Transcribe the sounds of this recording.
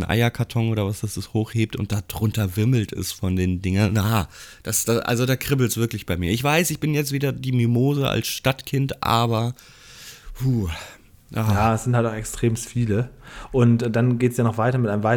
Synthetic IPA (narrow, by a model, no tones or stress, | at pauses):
nʔa̰ɪɐkʰatʰɔŋoːɾɐvasd̥asɪshoːxheːp̚tʊ̰nt̚d̥aːdʁʊntɐvɪɐml̩tɪ̰stfɔndeːndɪŋɐnjaːd̥asd̥aʔa̰lzodaːkʁ̥ɪbl̩sv̥ɪɐklɪçb̥aɪmiːɐɪçv̥aɪsɪçb̥ɪnjɛt͡stv̥iːdɐdiːmymoːzəʔa̰lsʃtatkʰɪntʔa̰ːbɐ | huː | jaːaːɛsz̥ɪnthaltaʊxɛkstʁ̥eːmstfiːləʔʊntd̥anɡeːtəsjaːnɔχv̥aɪtɐmɪtʔaɪnəmvaɪ